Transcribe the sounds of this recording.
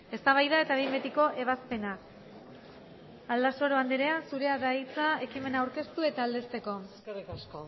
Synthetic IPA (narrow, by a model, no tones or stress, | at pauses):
e̞st̪aβ̞ajðae̞t̪aβijmbet̪iko̞ʔe̞βaspe̞na | ald̪aso̞ɾo̞and̪eɾe̞asuɾe̞aðait͡sae̞kime̞naːwɾke̞st̪ue̞t̪aːld̪e̞st̪e̞ko̞ | rikasko